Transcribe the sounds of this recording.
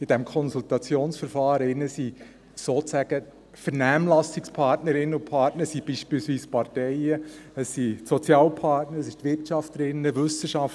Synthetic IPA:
ɪd̥ɛmkʰɔnsultɑt͡sjoːnsfəɾfɑːɾɪnːəsi | soːt͡sæɡ̥ə | fəɾnæːmlɑsɪkspʰɑrtnəɾɪnːəʊpʰɑɾtnəɾsib̥iːʃpiːlsʋiːspɑɾtɛɪəəsːitsɔt͡sjɑːlpʰɑtnəɾsɪʃtʋɪrtʃɑftəɾɪnːəvʏsəʃɑf

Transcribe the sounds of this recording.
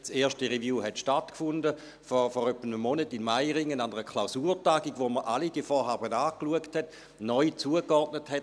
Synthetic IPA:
seːʃtəʁevjuːɦɛtʃtatkfʊndə | fɔfɔʁœpːənəmɔnətinmaɪʁɪŋənandəʁəkʰlaʊsuːɾtaːɡiɡʋoməʔalid̥iəfɔɦaːbənaːkluəkthɛt | nɔʏt͡suəkɔrtnəthɛt

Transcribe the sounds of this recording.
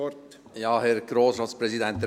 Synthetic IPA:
jɑːhɛɾɡ̥ɾoːsɾɑːt̪spɾɛsid̪ɛnt̪ɛ

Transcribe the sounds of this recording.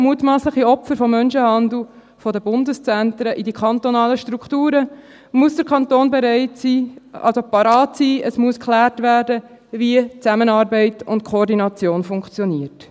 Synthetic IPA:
muːtmɑːsləχiɔpfəɾfɔmːœnʃəhɑnd̪l̩ˠ | fɔdəbʊndəst͡sæntɾəʔidikʰɑnt̪ɔnɑːləʃtɾuktuːɾə | muəsd̥əɾkʰɑntoːnbeɾɛɪtsiːɑ̰lsopɑɾɑːtsiːəsmuəskʰlæːrtʋæːɾdə | ʋiət͡sæmənɑːɾbɛɪtʊntkʰχoɾdinɑt͡sjoːnfʊŋkt͡sjɔniəɾt

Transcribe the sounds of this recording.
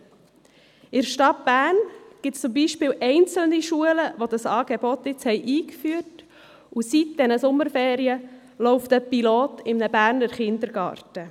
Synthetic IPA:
ɪɾʃtɑt̚b̥æːrnɡ̥ɪtst͡sʊmbiːʃpɪːwʔɛɪnt͡sl̩niʃuələʋodɑsɑːɡ̥ebɔt̪ɪt͡shɛɪʔiːkfyəɾt | usit̚d̥ɛnəsʊmːəɾfeːɾiə | lɔʊft̪əpiloːtɪmnəbæːɾnəɾχɪnd̪əɾɡ̥ɑ̰ːɾtə

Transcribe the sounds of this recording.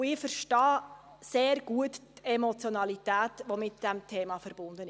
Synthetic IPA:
ɪfəɾʃtɑː | seːɾɡ̥uəttɛmɔt͡sjɔnɑlitæːtʋomɪt̚d̥ɛmtʰeːmɑfəɾb̥ʊndən

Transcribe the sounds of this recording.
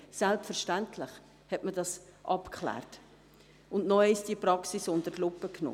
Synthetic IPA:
sɛlpfəɾʃtæntʰlɪχ | hɛtmədɑsʔɑpkʰχlæ̰ːrt | ʊndnɔɛsd̥iəpɾɑksisʊndəɾlʊpːəkno̰

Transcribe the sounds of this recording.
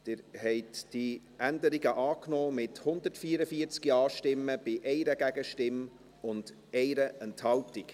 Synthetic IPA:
d̥ɪɾhɛɪtd̥i | ʔændəɾiɡəʔɑːknɔːmɪthʊnd̪ətfiəɾəfiət͡skiɑːʃtɪmːəb̥ɪʔɛɪɾəɡ̥æɡ̥əʃtɪm | ʊnd̥ | ɛɪɾəɛnthɑltik

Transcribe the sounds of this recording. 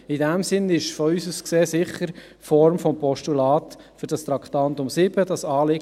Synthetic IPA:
idæmsɪnɪʃfɔysuskseːsɪχːəɾ | fɔɾmfɔmpɔʃtulɑːt̪ | fʏɾd̥ɑstɾɑkχt̪ɑnt̪ʊmsɪb̥əd̥ɑsɑːlɪ

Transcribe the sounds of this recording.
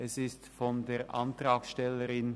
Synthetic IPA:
ɛsɪstfɔndeːɐʔa̰ntraːksʃtɛləʁɪn

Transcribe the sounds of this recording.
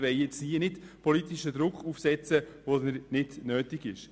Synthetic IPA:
ʋɛɪjɛt͡sniənɪtpʰɔlitɪʃəd̪ɾʊkʰuːfsɛt͡səvodnənɪdnøːtɪɡɪʃ

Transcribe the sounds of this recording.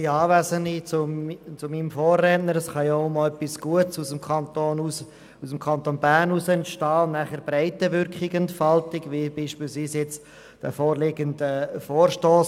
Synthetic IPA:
iɑːvæzənit͡sʊt͡sʊminmfoːrːɛtnəɾəsχɑjoʊmɔœpːisɡ̥uətsusəmkɑntoːnus | usəmkʰɑnt̪oːnbæːrnusəɛntʃtɑːnæχəɾbɾɛɪtəʋʏɾkχɪɡɛntfɑltɪɡʋibiːʃpiːlsviːsjɛt͡st | d̥ɛ̰foːrlɪɡəndəfoːrʃtoːs

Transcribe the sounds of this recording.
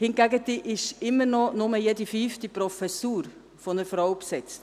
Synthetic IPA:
hɪnɡæɡətːiʔɪʃɪmːəɾnɔnʊməjedifyftipɾɔfɛsuːɾ | fɔnəɾfɾawpsɛt͡st

